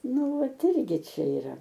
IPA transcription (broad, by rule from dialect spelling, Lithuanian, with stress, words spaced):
ˈnʊ ˈʋɐt ˈɪrʲɡʲɪ ˈt͡ʃʲɛ iːˈrɐ